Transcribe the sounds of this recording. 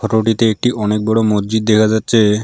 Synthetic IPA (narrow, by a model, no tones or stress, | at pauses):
ɔʈoʈ̬it̪eek̚ʈiʔɔnek̚bɔɽomod͡ʑd͡ʑid̪̚ːekʰad͡ʑatːɕʰe